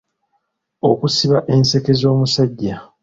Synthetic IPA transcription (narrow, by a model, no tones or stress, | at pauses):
o̞̰kusiβaʔe̞nse̞ke̞zo̞ːmusaɟːa